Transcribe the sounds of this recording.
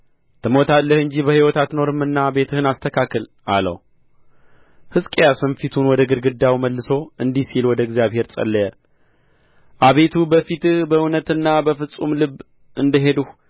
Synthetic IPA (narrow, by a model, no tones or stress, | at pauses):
t̪ʰɨmo̞t̪ʰalːəhɨɲd͡ʒibəhiwɔt̪ʰat̪no̞ɾɨmːɨnːaβe̞t̪ʰɨhɨnast̪ʰəkʰakːəlʔa̰lə̰w | hɨskʼejasɨnfit̪ʰunwɔd̪əɡɨɾɡɨd̪ːawməlːɨso̞ɨnd̪ihsilwɔd̪əɡzijaβhe̞ɾsʼə̰lːəjə | ʔaβe̞t̪ʰubəfit̪ɨhbəɨwnət̪ɨnːabəfɨsʼumlɨβ | ʔɨnd̪əɦe̞d̪uh